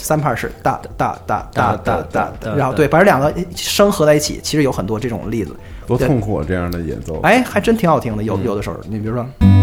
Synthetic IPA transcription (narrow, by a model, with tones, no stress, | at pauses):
sa˥npʰa˥˧ʂɻ̩̰˥˧t̪a̰˥˧t̪a̰˥˧t̪a̰˥˧t̪a˥˧t̪a̰˥˧t̪a˥˧ɻa˧˥xʊt̪e˥˩ɪfa˨˥ljɑ˨˩ŋɡə˦ʂɤ˥ŋxɤ˧˥t͡sa˥˧ɪi˥˩t͡ɕʰḭ˨˩˦t͡ɕʰi˧˥ʂɻ̩˧˥jo˧˥ʊxə˨˩nt̪wɔ˥ʈ͡ʂɤ˥˩ʈ͡ʂʊ̰˨˩ŋli˥˩d͡zɹ̩˩wɔ˥ʊ˥˧ŋkʰwɔ̰˥˩ʈ͡ʂɤ˥˧jɑ˥˩ŋd̪ə˩jɛ̰˨˧˥nt͡so˥˧ʊa˥˩ɪxa˧˥ɪʈ͡ʂə˥nt̪ʰi˧˥ŋxɑ˨˩ʊi˧˥ŋd̪ə˧jo˨˥ʊjo˨˩ʊə˦ʂni˨˩pɑ˥˩